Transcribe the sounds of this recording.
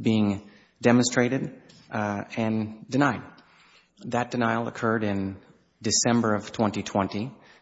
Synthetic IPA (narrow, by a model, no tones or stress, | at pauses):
biɪ̃ŋ | dɛmə̃nstɹ̥eɪɾɨɾ | ɨ̃ndɨnaɪd̪̚ | ðɨt̚d̥ɨnaɪl̩ˠə̰kʰɜ˞ɾɪ̃n | dɨsɛ̃mbə˞ʌv̥tʰw̥ɛ̃ntitʰw̥ɛ̃nti